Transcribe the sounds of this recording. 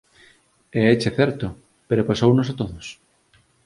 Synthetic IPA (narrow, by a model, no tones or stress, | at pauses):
eɛt͡ʃeθɛɾt̪o | peɾopasownosat̪oðos